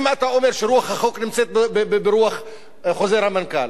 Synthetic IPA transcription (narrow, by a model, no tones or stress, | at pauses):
maat̪aʔomeɾʃeɾuaχhaχoknɪmt͡set̪̚bbbbeɾuaχ | χozeɾhamanka̰l